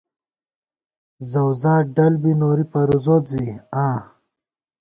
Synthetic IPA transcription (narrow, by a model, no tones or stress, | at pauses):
zɐwzaːɖɐlbinoːɾipɐɾuzoːt̪ziaː